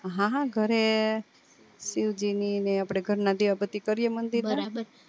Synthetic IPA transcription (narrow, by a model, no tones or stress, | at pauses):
ɦãɦãɡʱəɾe | siʋd͡ʒinineapɽ̃eɡʱəɾnad̪iʋabət̪ikəɾiemənd̪iɾt̪ʰaɾabəɾ